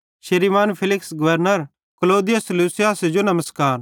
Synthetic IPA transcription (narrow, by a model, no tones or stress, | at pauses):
ʃɐɾimaːnpʰɪlɪksɡɐʋəɾnəɾ | kɐloːd̪ɪjɐsluːsɪjaːsd͡ʒonɐməskaːɾ